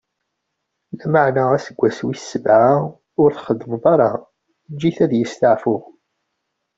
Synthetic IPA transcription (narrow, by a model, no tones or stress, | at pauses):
læməʕnaæsəɡʷːæswiθsːəvʕa | ʊɾθχəðːəmvɑɾˤɑ | d͡ʒːiθæðjəst̪aʕfʊʁ